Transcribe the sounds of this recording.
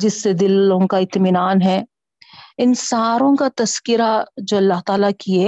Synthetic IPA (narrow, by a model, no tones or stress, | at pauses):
d͡ʒɪsːed̪ɪlõkaɪt̪mɪnaːnɦɛ | ɪnsaːɾõkat̪ɐskɪɾad͡ʒoːɐlːaɦt̪aːlakiɛ